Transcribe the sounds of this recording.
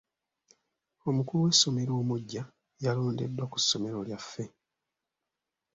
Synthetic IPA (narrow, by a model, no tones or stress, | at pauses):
o̞mukuluwe̞sːo̞me̞ɾo̞ːmuɟːa | jalo̞ːnde̞̰dːwaku̥sːo̞me̞ɾo̞ljafːe̞